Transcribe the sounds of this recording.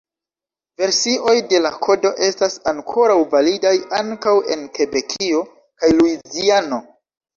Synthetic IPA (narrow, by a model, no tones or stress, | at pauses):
ve̞ɾsiʔo̞jde̞lakʰo̞do̞ʔe̞stasaŋkʰo̞ɾawvalidajaŋkawe̞̰nke̞be̞kʰio̞ | kajluiziano̞